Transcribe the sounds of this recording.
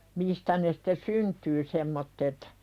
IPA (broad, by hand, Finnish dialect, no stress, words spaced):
mistæ ne sĭ̥te syntyː semːotːet